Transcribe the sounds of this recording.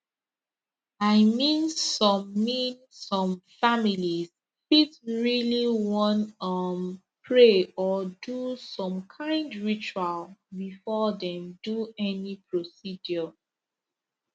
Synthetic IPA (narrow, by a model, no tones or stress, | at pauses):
aɪmĩnsɔ̃mːĩn | sɔ̃mfamiliz | fitɹiliwɔ̃ntʌm | pʰɹeɔdusɔ̃mkʰãɪ̃ndɹit͡ʃualbifɔdɛ̃mduɛnipʰɹosidjɔ